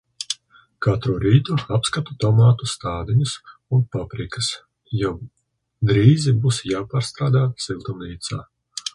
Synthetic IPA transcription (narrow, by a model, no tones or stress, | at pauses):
kat̪ɾuɾiːt̪uapskat̪ut̪ɔmaːt̪ust̪aːd̪iɲusunpɔpɾikɨs | jɔ | d̪ɾiːzibusjaːpaːɾst̪ɾaːd̪aːsilˠt̪umniːt̪saː